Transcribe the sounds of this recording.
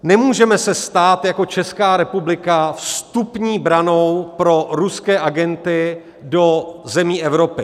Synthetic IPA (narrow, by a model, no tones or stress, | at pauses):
nɛmuːʒɛmɛsɛst̪aːt̪jako̞t͡ʃɛskaːɾɛpublɪkafst̪upɲiːbɾano̞wpɾo̞ɾuskɛːʔaɡɛnt̪ɪ | do̞zɛmiːʔɛvɾo̞pɪ